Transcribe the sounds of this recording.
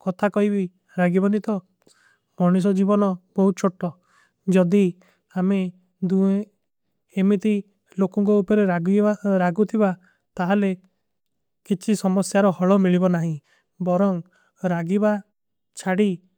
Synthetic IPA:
kɔt̪ʰakɔɦibi | ɾaɡibɔnit̪ɔ | mɔɽ̃is̬ɔd͡ʒibɔnɔbɔɦut̪̚t͡ʃʰoʈɔ | d͡ʒɔd̪i | ame | d̪ue | emit̪i | lokɔŋk̬ɔupɔɾeɡaɾaɡut̪ʰiba | t̪aɦale | kit͡ʃʰisɔmɔsjaɾɔhɔɭɔmiɭibɔnaɦĩ | bɔɾɔŋ | ɾaɡiba | t͡ʃʰaɽi

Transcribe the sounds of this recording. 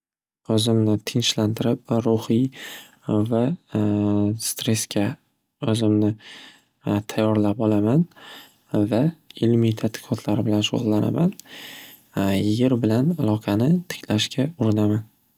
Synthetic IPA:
ɵzɪmnɪt̪ʰɪnʃlant̪ʰɪɾɪp̚ɾʊhi | va | st̪ɾe̞skʲʰa | ɵzɪmnɪ | t̪ʰajːɒɾlapɒlaman | vaɪlmit̪ʰat̪ʰɪ̥qʰɒt̪ʰlaɾɪbɪlanʃo̰ʁlˠːana̰man | jɪjʲɪɾbɪlanalˠɒqʰɑnɪt̪ʰɪ̥kʲʰlaʃkʲʰaʊɾɪnaman

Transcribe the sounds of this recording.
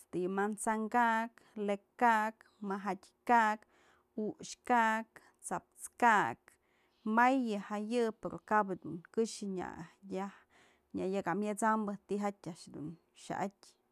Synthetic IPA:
st̪ɨjɨmant͡saŋkaʔk | lekːak | maɦatʲkaʔk | uʃkak | t͡sap̚t͡skaʔk̚ | majɨhajɨpeɾokabɨd̪unkɨʂɨɲa̰jah | ɲʲajakamjat͡sambɨt̪iɦatʲaʔʂd̪ṵn | ʃa̰ʔatʲ

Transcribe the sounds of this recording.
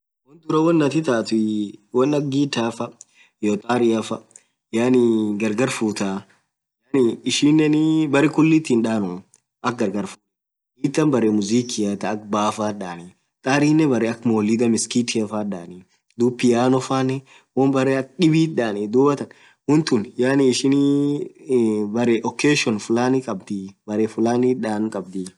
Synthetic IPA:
wɔnt̪ʊɾɐwɐnːɐt̪ɪt̪aːt̪iwɐnɐk̚ɡiːt̪ːaːfɐ | jot̪ʼaːɾɪɐfɐ | janiɡɐɾɡɐɾfuːt̪aː | janɪɪʃiːnːɛnɪbɐɾɪkʊlːit̪inᶑaːnɔ | ʔɐk̚ɡɐɾɡɐɾfuː | ʔiːt̪ːɐnbɐɾemʊziːkɪjat̪ɐːk̚baːfaːᶑaːne | t̪ʼaːɾiːnːɛbɐɾeɐkmoːlɪd̪ɐmɪskiːt̪efaːᶑaːni | d̪uːpːɪjaːnɔfaːnɛ | wɔnbɐɾeːɐk̚ᶑɪbiːᶑaːnid̪uːbɐt̪ɐn | hʊnt̪ʊnjaniɪʃɪn | bɐɾɛʔɔkeːʃɔnfʊlaːnikʼɐbd̪ibɐɾeːfʊlaːniᶑaːnkʼɐb̚d̪i

